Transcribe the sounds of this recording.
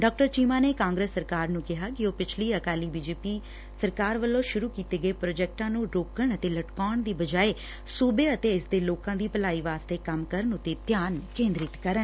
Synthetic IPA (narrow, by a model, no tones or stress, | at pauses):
ɖɔːk̚ʈəɾt͡ʃiːmaːneːkãːŋɡɾeːsːəɾkaːɾnũːkɪɦaːkɪoːpɪt͡ʃʰliːəkaːliːbiːd͡ʒeːpiː | səɾkaːɾʋəlːõːʃʊɾuːkiːt̪eːɡəeːpɾoːd͡ʒɛːk̚ʈãːnũːɾoːkəɳət̪eːləʈkaːəɳd̪iːbəd͡ʒaːeː | suːbeːət̪eːɪsd̪eːloːkãːd̪iːpəlaːiːʋaːst̪eːkəmkəɾəɳʊt̪ːeːt̪jaːnkẽːnd̪ɾɪt̪kəɾən